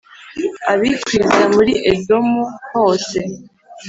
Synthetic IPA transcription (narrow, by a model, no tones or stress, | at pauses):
aβikwiɾzamuɾiʔedo̞muho̞ːse